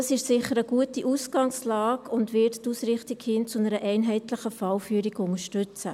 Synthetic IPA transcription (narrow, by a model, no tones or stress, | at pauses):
ɑsɪʃsɪχːəɾəɡ̥uətiʔuːsɡ̥ɑŋslɑːɡʊndʋɪːttːuːsɾɪχtiɡhɪnt͡sʊnəɾəʔɛɪnɦɛɪtləχəfɑlfyːɾiɡʊŋəʃtʏt͡sə